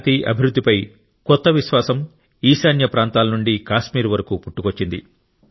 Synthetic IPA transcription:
t̪iːʔɐ̰bʱiɾud̪ʱːipɐj | kɔt̪ːɐʋiʃʋaːsɐm | iːsaːnjɐpɾaːnt̪aːlɐnuɳɖikaːʃmiːɾuʋɐɾɐkupuʈːukot͡ʃːind̪ḭ

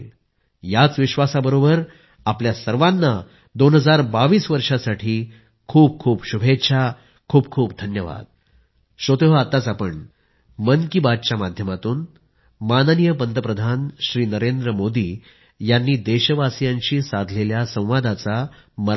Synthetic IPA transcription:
l | jat͡sʋiɕʋasabəɾobəɾ | apljasəɾʋanːa | d̪onɦəd͡zaɾbaʋiːsʋəɾʂasaʈʰiː | kʰuːb̚kʰuːpɕubʱetɕʰa | kʰuːb̚kʰuːpd̪ʱənjəʋa̰d̪̚ | ɕot̪oɦəat̪ːat͡sapəɳ | mənkibad̪̚t͡ɕjamad̪ʱjəmat̪uːn | manənijəpənd̪əpɾəd̪ʱanɕɾiːnəɾend̪ɾəmod̪iː | janːiːd̪eɕəʋasjãɲt͡ɕiːsad̪ʱleljasə̃w̃ʋad̪at͡saməɾ

